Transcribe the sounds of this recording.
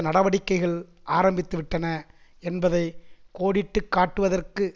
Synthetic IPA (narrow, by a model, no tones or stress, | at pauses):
nɐɽɐʋɐɽɪkːɐɪɣɐɭ | ʔaːɾɐmbɪt̪ːɯʋɪʈːɐnɐ | ɛnbɐðɐɪkoːɽɪʈːɯkːaːʈːɯʋɐðɐrkɯ